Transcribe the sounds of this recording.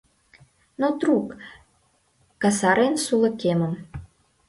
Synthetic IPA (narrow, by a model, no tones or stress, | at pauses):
not̪ruk | kɑsɑɾensulɤ̆kemə̆m